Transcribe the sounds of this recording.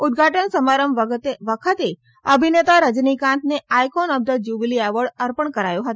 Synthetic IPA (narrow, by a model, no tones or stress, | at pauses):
ʊd̪̚ɡʱaʈənsəmaɾəmʋət̪eʋəkʰət̪e | əbʱinet̪aɾəd͡ʒnikãnt̪ʰneajkonəb̚d̪ʱət̪̚d͡ʒuʋliaʋəɭəɾpəɳkəɾajõɦət̪